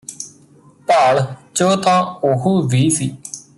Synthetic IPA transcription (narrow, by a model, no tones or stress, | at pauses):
paːɭt͡ʃoːt̪ãːoɦuːʋiːsiː